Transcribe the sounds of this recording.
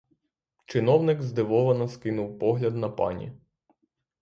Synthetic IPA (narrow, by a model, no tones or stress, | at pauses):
t͡ʃɪnɔwnɪɡzd̪ɪʋɔʋɐnɐskɪnʊwpɔɦlʲɐd̪nɐpɑ̰nʲḭ